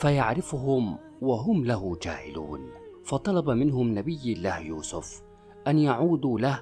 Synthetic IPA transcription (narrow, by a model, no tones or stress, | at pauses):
fajaʕɾɪfʊɦʊm | waɦʊmlaɦʊd͡ʒa̰ːhɪlṵːnfɑt̪ˤɑlɑbamɪnhʊmnabɪjːlːaːhjuːsʊf | ʔanjaʕuːd̪uːlah